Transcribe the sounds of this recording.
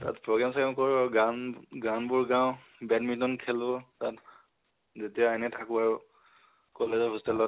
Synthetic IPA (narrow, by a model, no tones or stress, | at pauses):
ta̰tpɹɔɡɹamsmkɔɹaɹɡanɡanbʊɹɡãʊ̃ | bɛdmitɔnkʰɛlʊtat | zetijaajnɛtʰakʊaɹʊ | kɔlezɔɦustɛlɔ